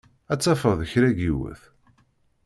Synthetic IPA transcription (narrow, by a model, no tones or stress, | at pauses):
æt͡sːɑfəðəçɾæɡiwə̰θ